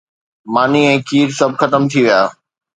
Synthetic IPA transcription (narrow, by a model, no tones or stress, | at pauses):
maːniɛ̃ːkʰiːɾsɐbʱxɐt̪əmt̪ʰiʋijaː